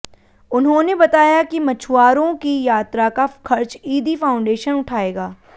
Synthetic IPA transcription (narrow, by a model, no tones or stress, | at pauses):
ʊnɦõːnebɐt̪aːjakimɐt͡ʃʰʊwaːɾõkijaːt̪ɾakakɐɾt͡ʃiːd̪ifaːʊ̃ɳɖeːʃənʊʈʰaːeːɡaː